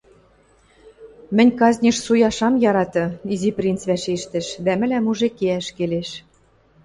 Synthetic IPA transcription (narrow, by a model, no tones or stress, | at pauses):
mɘ̆nʲkɑzʲnʲiʃsujɑʃɑmjɑɾɑt̪ɤ̆iziprʲint͡sβæʃeʃt̪ɘ̆ʃd̪æmɘ̆læmuʒekeæʃkeleʃ